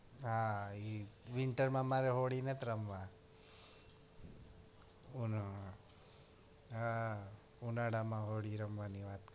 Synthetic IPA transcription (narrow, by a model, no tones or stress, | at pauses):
ɦãiʋiɳʈəɾmãmaːɾeɦoːɽinet̪ɾɐmʋa | un | unaɽamãɦoːɽiɾɐmʋaniʋaːt̪